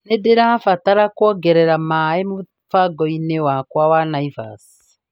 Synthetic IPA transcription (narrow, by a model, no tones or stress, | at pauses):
nedeɾafataɾakwɔɡɛɾɛɾamaemo | faɡɔinewakwawanaifa̰si̥